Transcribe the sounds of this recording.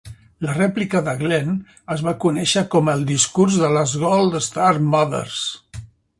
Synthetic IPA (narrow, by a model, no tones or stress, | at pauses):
lərɛplikəðəɣlen | əzβakunɛʃəkɔməlˠd̪iskurzðələzɣɔlˠd̪əst̪aɾmaðə̰ɾs